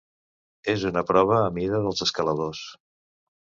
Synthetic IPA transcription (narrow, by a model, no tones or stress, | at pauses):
ezunəpɾɔβ̞əːmiðəðəlˠzəskələðos